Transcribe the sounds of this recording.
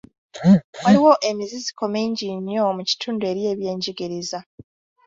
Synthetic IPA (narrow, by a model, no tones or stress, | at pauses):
waliwo̞ʔemizizi̥ko̞meɲɟiɲjo̞muci̥tʰuːndue̞ːɾje̞ːβje̞ːɲɟiɡiɾiza